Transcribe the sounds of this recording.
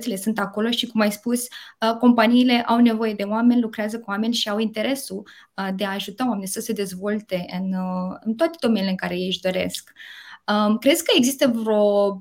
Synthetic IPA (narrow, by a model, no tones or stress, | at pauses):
sele̞sunt̪ako̞lo̞ʃikumajspusʲəko̞mpaniːle̞ʔawne̞vo̞je̞d̪e̞owame̞nʲlukɾeazəkuwame̞nʲʃiawint̪e̞ɾe̞sud̪e̞aːʒut̪aowame̞nʲjsəse̞d̪e̞zvo̞lt̪e̞ɨnɨnt̪oat̪e̞d̪o̞me̞neleɨŋkaɾe̞jejʃd̪o̞ɾe̞̰skəkɾeskəeɡzist̪əvɾo̞